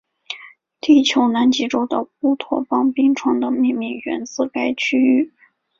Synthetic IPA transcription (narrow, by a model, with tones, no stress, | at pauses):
t̪i˥˩t͡ɕʰjo˧˥ʊna˧˥nt͡ɕi˧˥ʈ͡ʂo˥ʊd̪ə˧pu˥˩t̪ʰwɔ̰˥˩fɑ˥ŋpi˥ŋʈ͡ʂʰwɑ˧˥ŋd̪ə˨mi˥˧ŋmi˥˩ŋɥɛ̰˧˥nt͡sɹ̩˥˧ka˥ɪt͡ɕʰy˥y˥˩